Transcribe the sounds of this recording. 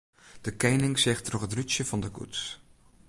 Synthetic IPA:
d̥əkejnɪŋzɛχtrɔχɦətryt͡ʃəvɑndəkṵts

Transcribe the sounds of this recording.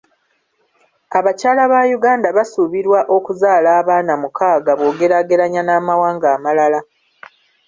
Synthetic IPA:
aβacaːlaβajuɡaːndaβasuβiɾwaʔo̞kuzaːlaːβaːnamukaːɡaβo̞ːɡe̞ɾaɡe̞ɾaɲanaːmawaːŋɡaːmalala

